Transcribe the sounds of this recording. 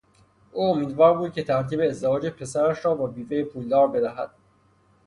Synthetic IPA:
ʔuːomiːd̪vɒːɾbuːd̪̚cʲʰe̞t̪ʰæɾt̪ʰiːbe̞ːzd̪evɒːd͡ʒe̞pʰe̞sæɾæʃɾɒːbɒːbiːve̞jepʰuːld̪ɒːɾbe̞d̪æɦæ̰d̪̥

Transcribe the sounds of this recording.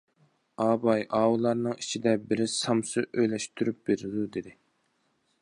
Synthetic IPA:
ɑːbɑjʔɑːwulˠɑɾnɨŋit͡ʃʰid̪ɛbɪɾɪsɑmsɨʔøjlɛʃt̪ʰyɾyp̚b̥eɾɪd̪ud̪ed̪ɪ

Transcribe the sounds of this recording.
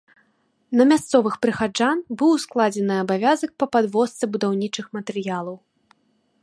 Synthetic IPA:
nɐmʲast̪sɔvɨxpɾɨxad͡ʐanbɨwsklˠad͡zʲɛnɨɐbavʲazɐk̚pɐpad̪vɔst̪sɛbud̪awnʲit͡ʂɨxmɐt̪ɛɾɨjalˠɐw

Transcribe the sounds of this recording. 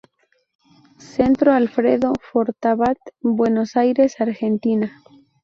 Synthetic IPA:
se̞nt̪ɾoalfɾeðofo̞ɾt̪aβat̪bwe̞no̞sajɾe̞saɾxe̞nt̪ina

